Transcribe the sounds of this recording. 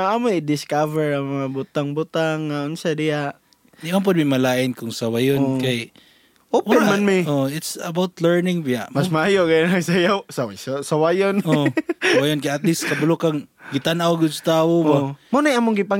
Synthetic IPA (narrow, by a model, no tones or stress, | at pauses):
amoɪd̪ɪskavɛɹamɐŋabʊt̪aŋbʊt̪aŋːaʔʊnsadɪjaʔ | ɪonp̬ʊd̪̚mimɐlaːʔɪnkʊŋsawajonkaj | owɛmanmioɪt̪sɐbawt̪lɛɹnɪŋmɪjaʔmasmaaːjoɡajnaɡsajasawassawajonosawajonkajat̪list̪kɐbʊlʊkaŋɡɪt̪anawɡʊd̪sat̪aːwobamonajamoŋɡɪpa